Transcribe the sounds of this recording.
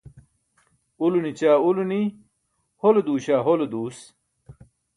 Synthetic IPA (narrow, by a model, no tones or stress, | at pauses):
ulunit͡ɕaːuluni | holed̪uːɕaːɦoled̪uːs